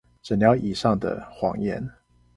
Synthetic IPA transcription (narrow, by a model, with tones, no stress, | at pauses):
ʈ͡ʂə˨nljɑ˨˧˦ʊʔi˨˩ʂɑ˥˩ŋd̪ə̰˨˩xwɑ̰˨˦ŋjɛ̰˧˦n